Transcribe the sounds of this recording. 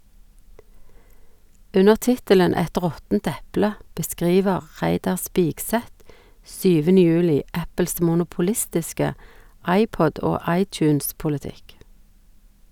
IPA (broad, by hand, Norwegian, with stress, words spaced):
ˈʉnəʁ ˈtɪtələn ˈɛt ˈʁɔtn̩t ˈɛplə bəˈskʁiːʋəʁ ˈʁæɪdɑʁ ˈspiːɡˌsɛt ˈsyːʋənə ˈjʉːlɪ ˈæpəls mʊnʊpʊˈlɪstɪskə ˈɑɪˌpɔd ˈoː ˈɑɪˌt͡ʃʉːnspʊləˌtɪk